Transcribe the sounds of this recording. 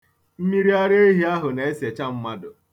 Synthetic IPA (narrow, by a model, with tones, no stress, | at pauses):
m̩˦mi˦ɾi˦a˦ɾe˦e˦ɦi˦a˦ɦʊ˨na˨e˦se˨t͡ʃa˦m̩˦ma˦dʊ˨